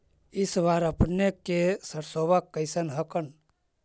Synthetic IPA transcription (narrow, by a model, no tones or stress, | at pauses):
isʋaɾəpnekːesəɾsobəkːəɪsənɦəkən